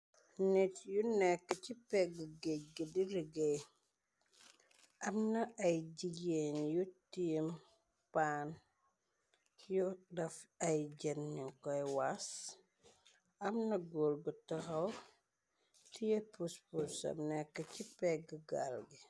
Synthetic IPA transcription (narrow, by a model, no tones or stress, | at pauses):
netjunɛkːɐcipɛɡəɡeɟ̚ɡidiɾiɡej | ɐmnɐɐjɟiɡenjutim | paːn | judɐfɐjɟenːiŋkɔjwas | ɐmnɐɡoːlɡutɐhɐw | tijepuspusɐ̰mnɛkːɐcipɛɡəɡa̰lɡi